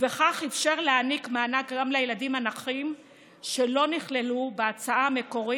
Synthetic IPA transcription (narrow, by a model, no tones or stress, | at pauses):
veχaχefʃeʁleanikmeanakɡamlejeladimanaχim | ʃe̞lo̞niχle̞lubeat͡saame̞ko̞ʁi